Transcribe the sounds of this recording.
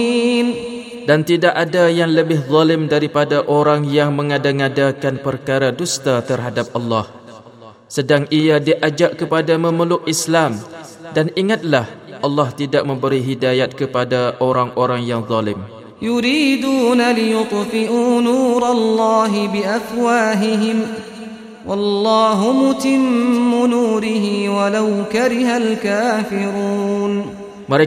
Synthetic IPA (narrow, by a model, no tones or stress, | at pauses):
n | dant̪idaʔadajaŋləbɪhðˤɑlɪmdaɾipadaʔoɾaŋjaŋmə̃ŋadaŋadakanpərkaɾadust̪at̪ərɦadap̚ʔɑlːɑh | sədaŋiadiʔad͡ʒaʔkəpadamə̃məlʊk̚islam | daniŋat̪̚lahʔɑlːɑht̪idaʔ̚mə̃mbəɾiɦidajat̪̚kəpadaʔoɾaŋʔoɾaŋjaŋðˤɑlɪm | jʊɾiːd̪uːnalɪjʊt̪ˤfɪʔuːnuːɾˤɑlːɑːɦɪbɪʔafwaːɦɪɦɪm | wʔɑlːɑːɦʊmʊt̪ɪmːʊnuːɾɪɦɪwalawkaɾɪɦalkaːfɪɾuːn | məɾe